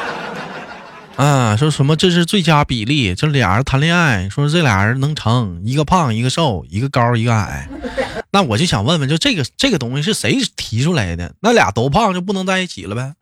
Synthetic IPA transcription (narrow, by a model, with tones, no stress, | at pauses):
ə˧˩ʂwɔ˥ʂə˧˥nmə˧ʈ͡ʂɤ˥˧ʂ̬ɻ̩˥˧t͡swe˥˩ɪt͡ɕja˥pi˨˩li˥˩t͡ɕjo˥˧ʊʂ̩˥˩ljɑ̰˨˩ŋə̰˞˧˥t̪ʰa˧˥nljɛ˥˧a˥˩ɪʂwɔ˥ʈ͡ʂɤ˥˩ljɑ̰˨˩ŋə˞˧˥nɤ˧˥ŋʈ͡ʂʰɤ˧˥ŋi˧˥ɡə˧pʰɑ˥˩ŋi˧˥ɡə˧ʂo˥˩ʊi˧˥ɡə˧kɑ˥i˧˥ɡə˧a̰˨˩˦ɪna˥˩wɔ˨˩t͡ɕjo˥˩ʊɕjɑ˨˩ŋwə˥˩nwə˧˩t͡ɕo˥˧˥ʈ͡ʂɤ˥˩ɡə˩ʈ͡ʂɤ˥˩ɡə˩t̪ʊ˥ŋɕi˧ʂɻ̩˥˩ʂe˧˥ɪt̪ʰi˧˥ʈ͡ʂʰu˥la˧˥ɪḭ˥˩d̪jə̰˨˩˦na˥˩ljɑ̰˨˩t̪o˧˥pʰɑ˥˧ŋt͡ɕjo˥˧p̬u˥˩nɤ˧˥ŋt͡sa˥˧ɪi˥˩t͡ɕʰḭ˨˩lə˦ba˧˩